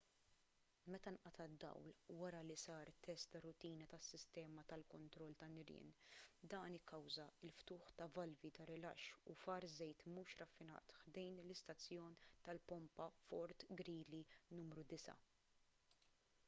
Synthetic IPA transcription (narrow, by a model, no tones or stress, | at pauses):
mɛt̪ɐnʔɐt̪ɐd̪ːɐ̰wlwɐɾɐlisɐːɾt̪ːɛst̪ːɐrʊt̪iːnɐt̪ɐsːɪst̪ɛːmɐt̪ɐlkɔnt̪ɾɔlːt̪ɐnɪɾɪ̰nd̪ɐːnɪkːɐwzɐɪlft̪ʊːħt̪ɐvɐlvit̪ɐɾɪlɐ̰ʃːufɐɾzɛjt̪muːʃɾɐfːɪnɐ̰ːt̪ħd̪ɛjnlɪst̪ɐt͡sːjɔːnt̪ɐlpɔmpɐfɔɾt̪ɡɾiːlinuːmɾud̪ɪsɐ̰